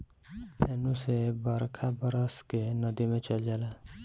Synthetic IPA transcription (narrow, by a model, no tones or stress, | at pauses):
pʰenũsebəɾkʰabəɾəskenəd̪imẽt͡ʃəld͡ʒaːla